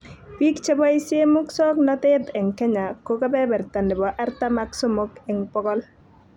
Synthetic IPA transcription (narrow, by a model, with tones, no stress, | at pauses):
pi˦kt͡ʃe˦bɔ˦i˦se˦mʊ˦ksɔ˦knɔ˦t̪ɛ˦tɛ˨ŋkɛ˦ɲa˨ko˦ka˦bɛ˦bɛ˨ɾt̪a˨ndɪ˨bɔ˨ʔa˦ɾta˦ma˦kso˦mo˦kɛ˨ŋpɔ˦kɔ˦l